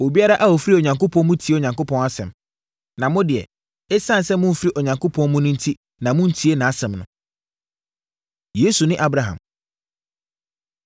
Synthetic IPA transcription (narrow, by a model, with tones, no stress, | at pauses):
o˨bi˦a˦ɾa˦ʔa˦o˨fɾi˦o˨ɲã˨ŋkʰo˦pʰɔ̃˦nmʊ̃˦tʰi˨˦e˦o˨ɲã˨ŋko˦pʰɔ̃˦na˦sɛ̰̃˨m | nã˨mʊ̃˦dɪ˨ɛ̰˨ | ɛ˦sã˦n˨sɛ˦mʊ̃˦m̩˦fɪ˦ɾi˦ʔɔ˨ɲã˨ŋkʰo˦pʰɔ̃˦nmʊ̃˦nʊ̃˦n̩˦tʰi˦ | nã˨mʊ̃˦n̩˦tʰi˨˦e˦nã˨a˦sɛ̃˨mnʊ̰̃˦ | je˦su˨nɪ̃˦ʔa˦bɾa˨ɦã̰˨m